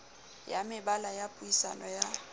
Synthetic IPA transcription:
jamɪbalajapʼuisa̰nɔja

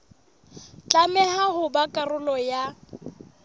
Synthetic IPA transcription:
t͡ɬʼamɛɦaɦʊbakʼarʊlɔja

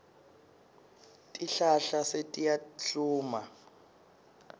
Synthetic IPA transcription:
tʼiɬaɬasetʼijat͡ɬuːma

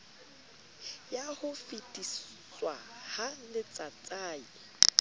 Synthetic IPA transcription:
jahʊfitʼis | st͡swahalɪt͡sʼat͡sʼaːi

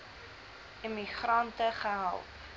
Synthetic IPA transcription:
imiχrɐntəχəɦa̰lˠp

